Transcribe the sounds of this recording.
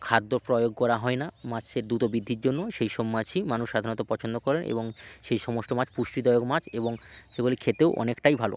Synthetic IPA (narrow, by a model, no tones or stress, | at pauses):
kʰad̪ːoɾpɾɔjoɡ̚kɔɾaɦɔenamat͡ɕʰeɾd̪ut̪obid̪ʱːiɾd͡ʑonːoʃejʃomːat͡ɕʰimanuʃʃad̪ʱanot̪apɔt͡ɕʰond̪okɔɾenʔḛboŋʃejʃɔmosʈomat͡ɕʰpuʃʈid̪ɔjoɡmat͡ɕʰeboŋʃeɡulikʰet̪eoʔɔ̰nekʈajbʱalo̰